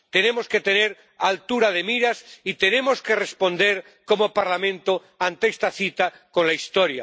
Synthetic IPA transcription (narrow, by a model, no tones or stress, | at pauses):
t̪e̞ne̞mo̞ske̞t̪e̞ne̞ɾ | alt̪uɾaðe̞miɾasit̪e̞ne̞mo̞ske̞respo̞nd̪e̞ɾ | ko̞mopaɾlamẽ̞nt̪o | ant̪eest̪aθit̪a | ko̞nlaist̪o̞ɾja̰